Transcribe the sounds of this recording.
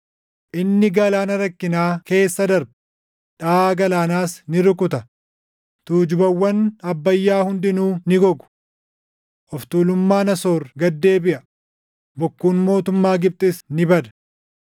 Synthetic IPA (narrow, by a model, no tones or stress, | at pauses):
ʔɪnːɪɡɐlaːnɐɾɐkːɪnaːke̞ːsːɐd̪ɐɾb | ᶑaːɡɐlaːnaːsnɪɾʊkʊt̪ɐ | t̪uːd͡ʒʊbɐwːɐnɐbːɐjːaːhʊnd̪ɪnuːnɪɡɔɡʊ̥ | ʔɔft̪uːlʊmːaːnɐso̞ːɾɡɐd̪ːe̞ːbɪʔɐ | bɔkːuːnmo̞ːt̪ʊmːaːɡɪp̚t̪ʼɪsnɪbɐd̪ɐ̥